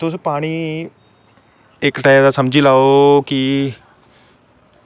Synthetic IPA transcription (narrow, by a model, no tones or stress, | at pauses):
t̪ʊs̬paːɽ̃iː | ɪkʈad̪aːsəmd͡ʒiːlaːoki